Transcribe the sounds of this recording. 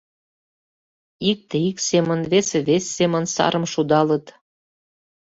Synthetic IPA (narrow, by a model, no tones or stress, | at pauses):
ik̚t̪eiksemə̆nβeseβesːemə̆nsɑ̰ɾə̆mʃud̪ɑlə̆t̪